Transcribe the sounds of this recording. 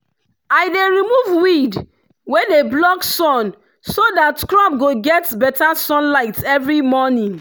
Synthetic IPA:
aɪdeɹimuvwid | wɛdeblɔksɔ̃n | sodatkɹɔ̃p̚ɡoɡɛtbɛtasɔ̃nlaɪtɛvɹimɔnĩŋ

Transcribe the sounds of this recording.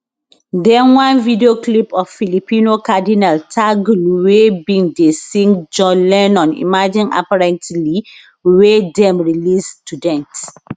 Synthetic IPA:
dɛ̃nwãnvidioklipɔfːilipinokadinaltʰaɡlwebĩŋdesĩŋd͡ʒɔ̃lɛnɔ̃nḭmad͡ʒĩna̰paɹɛ̃ntli | wedɛ̃mɹilistudɛ̃nt

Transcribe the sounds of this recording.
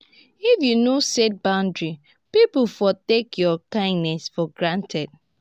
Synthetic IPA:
ifjunoset̚bãʊ̃ndɹi | piplfɔtekʰjɔkãɪ̃ndnɛsfɔɡɹãntʰɛd̥̚

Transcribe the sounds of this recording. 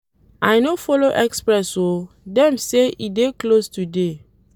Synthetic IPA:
ajnofɔloʔɛkspɹɛso | dɛ̃mseideklostude

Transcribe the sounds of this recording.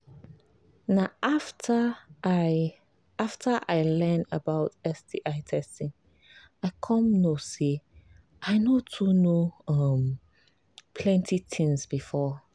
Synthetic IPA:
naʔaftəa | aftʰəʔaɪlɛ̃ndəbaʊtɛsdiʔaɪtʰɛstĩŋ | aɪkʰɔ̃mnose | ʔaɪnotʰunoʌm | pʰlɛ̃ntʰitʰɪ̃ŋsbifɔ

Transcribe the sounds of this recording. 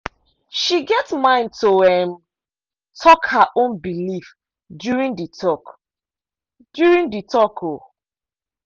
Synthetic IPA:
ʃiɡɛtmãɪ̃nd̚tʰoɛm | tʰɔkhaʔõnbilif | djuɹĩŋditʰɔk | d̥juɹĩŋditʰɔkʰo

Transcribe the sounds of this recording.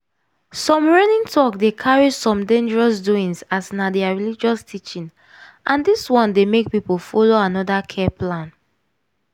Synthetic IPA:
sɔ̃mɹɛnĩŋtʰɔkdekʰaɹisɔ̃mdẽnd͡ʒəɹɔsduĩŋsasnadɛaɹilid͡ʒɔstʰit͡ʃĩn | ʔãndiswɔ̃ndemek̚pipofɔloanɔdakʰɛplãn

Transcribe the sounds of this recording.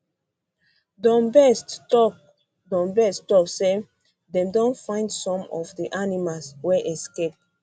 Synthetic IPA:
dɔ̃nbɛsttɔk | dɔ̃mbɛstɔkse | dɛ̃mdõnfãɪ̃ndsɔ̃mɔfdiʔanimalswɛʔɛskep̚

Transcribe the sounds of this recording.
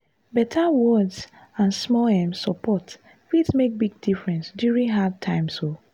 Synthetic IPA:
bɛtʰawɔds | ãnsmɔɛmsɔpʰɔt | fidsmek̚biɡ̚difɹɛ̃nsdjuɹĩŋɦad̚tʰãɪ̃mso

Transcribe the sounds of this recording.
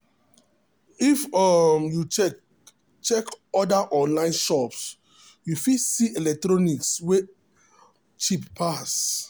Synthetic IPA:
ifɔmju | t͡ʃɛkɔdaʔɔ̃nlãɪ̃nʃɔps | jufisielɛk̚tɹɔnikswe | t͡ʃippʰːas

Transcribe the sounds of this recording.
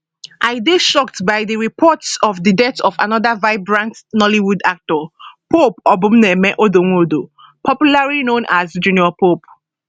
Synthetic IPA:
ʔaɪdeʃɔktbaɪðəɹipʰɔtsɔvdədɛtɔfa̰nɔðavaɪbɹãntnɔliwudak̚tɔpopɔbũmnɛmɛʔodoŋodo | pʰɔpjulaɹinõnʔazd͡ʒũniɔpop̚

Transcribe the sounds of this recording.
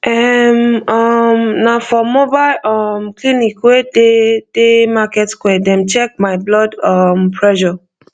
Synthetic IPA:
ɛmɔmnafɔmobalʔɔmklinikweded̥emakɛtkwɛdɛ̃mt͡ʃɛk̚majblɔdɔmpʰɹɛʃɔ

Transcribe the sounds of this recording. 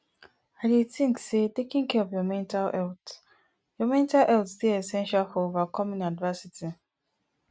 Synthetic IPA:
adetĩŋksetekĩŋkʰɛɔvjɔmɛ̃ntalɛlt | jɔmɛ̃ntalʔɛltstiɛsɛ̃nʃalfɔovakʰɔmĩnadvɜsitʰi

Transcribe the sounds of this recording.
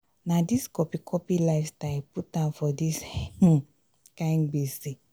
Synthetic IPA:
nadiskɔpikʰɔpilafstaɪputãnfɔdis | kãɪ̃nɡ͡besi

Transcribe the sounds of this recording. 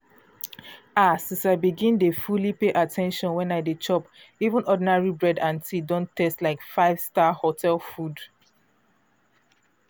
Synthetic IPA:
asĩsaɪbiɡĩndefulipeʔatʰɛ̃nʃɔ̃nwɛ̃naɪdet͡ʃɔp | ivə̃nɔdinaɹibɹɛdãntʰidõntʰɛstlaɪkfaɪv̥stahotʰɛlfud

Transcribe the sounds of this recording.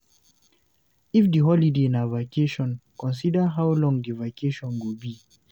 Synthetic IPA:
ifdiɦɔlidenavakʰeʃɔ̃nkɔ̃ns̬idəɦawlɔ̃ŋdivakʰeʃɔ̃nwubi

